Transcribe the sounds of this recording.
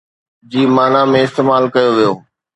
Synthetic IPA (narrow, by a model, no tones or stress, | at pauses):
d͡ʑiːmaːnamẽɪst̪eːmaːlkɐjoʋijoː